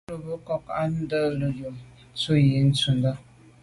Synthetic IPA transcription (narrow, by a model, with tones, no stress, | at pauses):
lə˨bə˨˦kɔ˦ka˦n̩˦də˦lə˨ju˨˦ | t͡su˦je˨˦n̩˦t͡su˨n˦də˦